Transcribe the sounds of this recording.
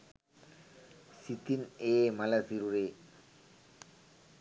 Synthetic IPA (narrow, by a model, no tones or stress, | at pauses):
sit̪ineːmɐlɐsiɾuɾeː